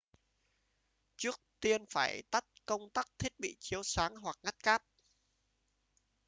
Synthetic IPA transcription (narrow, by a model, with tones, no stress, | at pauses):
t͡ɕɨ˦˥ək̚t̪i˧ənfaː˧˩jt̪a˦˥t̚kə˧wŋ͡mt̪aː˦˥k̚t̪ʰi˦˥ət̚ɓḭ˧˨t͡ɕi˨˦əwsaː˨˦ŋɦwa˨˩k̚ŋa˦˥t̚kaː˦˥p̚